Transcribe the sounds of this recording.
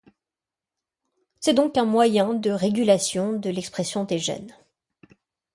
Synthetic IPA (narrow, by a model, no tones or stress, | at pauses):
sɛd̪ɔ̃kɛ̃mwajɛ̃d̪əʁeɡʲylasjɔ̃d̪əlɛkspχesjɔ̃d̪eʒɛ̰n